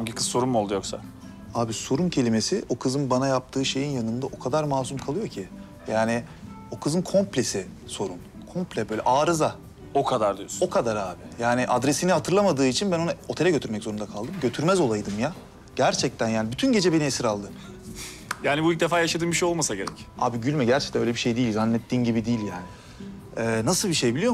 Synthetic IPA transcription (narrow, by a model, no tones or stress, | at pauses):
amɟikʰɯzso̞ɾunmmolˠd̪ujo̞ksa̰ | aːbiso̞ɾuncʰe̞lʲimesɪʔo̞kʰɯzɯnbanajap̚t̪ʰɯːʃe̞jinjanɯnd̪aʔo̞kʰad̪aɾmaːzumkʰalˠɯjo̞cʰi | jaːnɪ | o̞kʰɯzɯnkʰo̞mplʲesɪ | so̞ɾun | kʰo̞mplʲɛbø̞ːlʲɛ̰ʔaːɾɯza | o̞kʰad̪aɾd̪ijoso̞kʰad̪aɾaːbɪjaːnɪʔad̪ɾesinihat̪ʰɯɾlˠamad̪ɯːit͡ʃʰinbæno̞ao̞t̪ʰeɛɟøt̪ʰyɾmɛczoɾund̪akʰalˠd̪ɯmɟø̞t̪ʰyɾmɛzo̞lˠajd̪ɯmja | ɟ̥æɾt͡ʃʰɛc̚t̪ʰænjaːnibyt̪ʰynɟe̞d͡ʒɛbe̞niesiɾalˠd̪ɯ | jaːnibuilc̚d̪efaːjaʃad̪ɯːnbiʃejo̞lˠmasaɟe̞ɾɛca̰ːbiɟylʲmɛɟæɾt͡ʃʰɛ̥c̚t̪ænølʲeiʃe̞jd̪iːilʲzanːɛt̪ʰːiːnɟibid̪ijːilʲjaːnɪ | ɛːnasɯlˠbiʃe̞jbilʲijo̞